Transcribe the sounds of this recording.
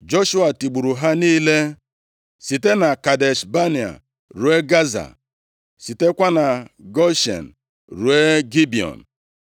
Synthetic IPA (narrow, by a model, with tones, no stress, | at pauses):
d͡ʒo˦ʃu˦a˨ti˨ɡ͡bu˨ɾu˨ɦa˦niː˦le˦ | si˨te˦na˨ka˨de˨ʃba˦ni˨a̰˨ | ɾu˨˦e˦ɡa˦za̰˨ | si˨te˦kʷa˦na˨ɡɔ˦ʃḛ˨n̩˨ | ɾu˨e˦ɡi˦bi˨ɔ̰˨n̩˨